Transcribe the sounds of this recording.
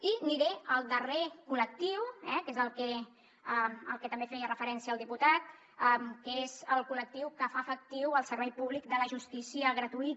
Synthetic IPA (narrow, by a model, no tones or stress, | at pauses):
iniɾeəlˠd̪ərekulək̚t̪iwɛkezəlˠkɛ | əlˠkət̪əmbefɛjərəfəɾɛnsiəlˠd̪iput̪at̪̚ | əmkəezəlˠkulək̚t̪iwkəfafək̚t̪iwəlˠsəɾβɛjpuβlik̚d̪ələʒust̪isiəɣ̞ɾət̪uit̪